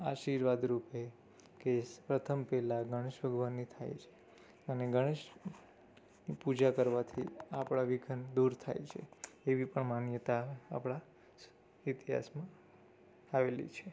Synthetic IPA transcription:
aʃiɾʋad̪ɾupe | kespɾət̪ʰəmpɛlaɡʱəɽ̃eʃʋəɡʋanːit̪ʰa̰jt͡ʃʰe̥ | əneɡʱəɽ̃eʃ | nipud͡ʒakəɾʋat̪ʰiapɽ̃aʋiɡʱənd̪uɾt̪ʰa̰jt͡ʃʰḛeʋipəɳmanjət̪aa̰pɽa | it̪iɦa̰smã | aʋelḭt͡ʃʰe

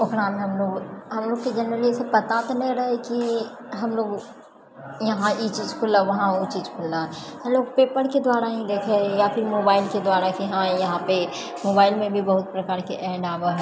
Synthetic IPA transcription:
ʊkɽaːmẽɦɐmloːɡɦɐmloːɡ̚ked͡ʒɛnɾəliɛsepɐt̪at̪onɐĩɾɐɦeki | ɦɐmloːɡ | jɐɦãʔiːt͡ʃiːd͡ʒkʰʊlːaʋɐɦãot͡ʃiːd͡ʒkʰʊlːaɦɐ̃mloːɡ̚peːpəɾked̪waːɾaɦĩd̪eːkʰejapʰɪɾmoːbaːɪlked̪waːɾakiɦãjɐɦãpe | moːbaːɪlmẽbʱibɐɦʊt̪̚pɾɐkaːɾkeʔɛ̃ːɖaːbəɦɛ

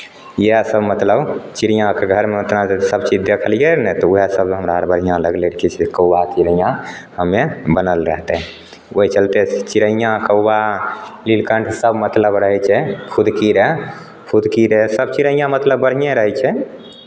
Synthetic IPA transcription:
jsəbmət̪ləbt͡ʃiɾijãkeɡʱəɾmeət̪nad͡ʒat̪səbt͡ʃid͡ʒd̪ekʰəlijenɛt̪ɔuɦesəbɦəmɾaəɾbəɽɦijãləɡleɾkʰit͡ʃʰkəwbat͡ʃiɾəjãhəmːebənəlɾəɦt̪ɛɦɛ | ot͡ʃəlt̪et͡ʃiɾəijãkəbalilkəɳʈʰsəbmət̪ləbɾəɦɛt͡ʃʰɛpʰud̪ʱkiɾe | pʰud̪ʱkiɾesəbt͡ʃiɾəjãmət̪ləbːəɽ̤ɦijeɾəɦɛt͡ʃʰɛ

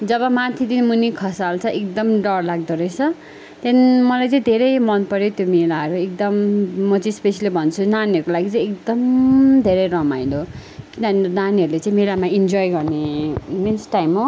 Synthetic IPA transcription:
d͡zʌbʌmat̪ʰid̪inmunikʰʌsalt͡sʰʌʔek̚d̪ʌmɖʌɽlaɡ̚d̪ʌɾʌjt͡sʰʌ | t̪janimʌlajt͡sʌ̃ĩd̪ʱeɾʌjmʌnpʌɾjot̪jomelaɦʌɾuek̚d̪ʌmːʌt͡sʌ̃ĩspesalibʱʌnt͡sʰunaniʌɾkolaɡit͡sʌ̃j̃ekd̪ʌmd̪ʱeɾʌjɾʌmajd̪okiannaniɦʌɾulet͡sʌ̃ĩmelamaind͡zɔjɡʌrneminsʈajmo

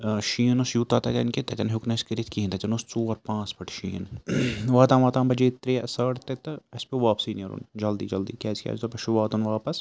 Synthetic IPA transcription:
ʃiːnosjuːt̪aːt̪ɐt̪ɐnket̪ɐt̪ɐnɦuknɐskɐɾit̪kiɦnt̪ɐt͡ʃɐnost͡soːɐɾpãːt͡spɐʈʰʃiːnʋaːt̪ãːmʋaːt̪aːmbɐd͡ʒiːt̪ɾesɐːɽt̪et̪ɐɐspeʋaːpsiːniɐɾṵnd͡ʒɐld̪ḭːd͡ʒɐld̪ḭːkʲa̰ːskʲa̰ːd͡ʒt̪opɐʃuʋaːt̪unʋaːpɐs

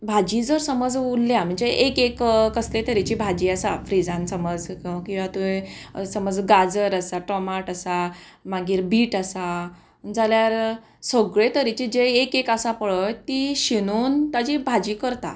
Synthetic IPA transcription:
bʱad͡ʑid͡zəɾsəməd͡zulːjam̤əɳd͡zeʔekekkəslet̪əɾit͡ɕibʱad͡ʑiasafɾid͡zãnsəməd͡zkĩakĩw̃ʋat̪uesəməd͡zɡad͡zəɾasaʈɔmaʈəsa | maɡiːɾbiːʈəsa | d͡zaljaɾ | səɡɭet̪əɾit͡ɕid͡ʑeːkekasapəɭəjt̪iɕinont̪ad͡ʑibʱad͡ʑiːkəɾt̪a̰

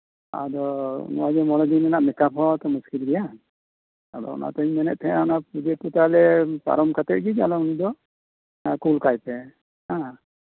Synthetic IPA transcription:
a̰dɔnɔ̰wazɛmɔlɔdinɛnaʔmɛkapʰɔtɔmuskilɡija | a̰dɔ̰ɔ̰na̰tɔiɲmɛnɛt̚t̪ʰɛanapud͡ʒɛputalɛpa̰ɾɔmkʰatɛʔɡid͡ʒalɔunidɔ | akulkajpɛ | hã

